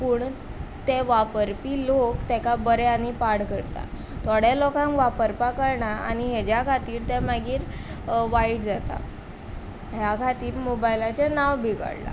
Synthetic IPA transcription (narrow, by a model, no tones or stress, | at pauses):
puːɳt̪eʋapəɾpiːlokt̪ɛkabəɾeanipaɽkəɾt̪a̰ | t̪ʰoɽjalɔkãŋkʋapəɾpakəɾɳaa̰ñiɦed͡ʑjakʰat̪iːɾt̪ɛmaɡiːɾʋaiʈd͡zat̪a̰ | ɦjakʰat̪iːɾmobajlat͡ɕanaʋbʱiɡə̰ɽla̰